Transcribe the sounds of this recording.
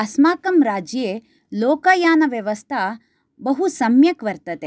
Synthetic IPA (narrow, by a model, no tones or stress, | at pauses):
ɐsmaːkɐmɾaːd͡ʒjeː | loːkaːjaːnɐʋjɐʋɐst̪ʰa | bɐɦusɐmjɐkʋɐɾt̪ɐt̪e